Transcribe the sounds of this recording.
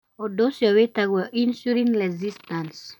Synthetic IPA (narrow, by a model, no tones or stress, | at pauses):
odosjɔwetaɡwɔʔinsuɾinɾɛzistans